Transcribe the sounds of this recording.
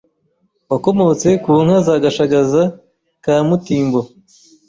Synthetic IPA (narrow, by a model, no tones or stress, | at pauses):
wako̞mo̞t͡se̞kuːŋ̥hazaɡaʃaɡaza | kaːmutiːmbo